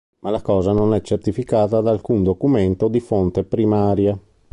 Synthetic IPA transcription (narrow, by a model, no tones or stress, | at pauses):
malakɔːzanonɛt͡ʃːert̪ifikaːt̪ad̪aːlkund̪okument̪od̪ifont̪epɾimaːɾja